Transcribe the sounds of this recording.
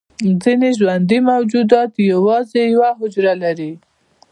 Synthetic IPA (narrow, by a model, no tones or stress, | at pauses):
zineʒwand̪imawd͡ʒud̪ɑt̪jawɑzejawaɦʊd͡ʒɾalaɾi